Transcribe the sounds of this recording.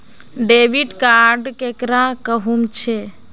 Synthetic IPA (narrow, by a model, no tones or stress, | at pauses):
ɖeʋiɖkaɾɖkekɾãkəɦumt͡ʃʰe